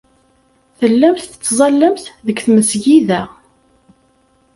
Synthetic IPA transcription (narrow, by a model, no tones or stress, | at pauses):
θəlːæmθθə̥t͡sːzˤɑlːəmθðəkːθməsʝiðæ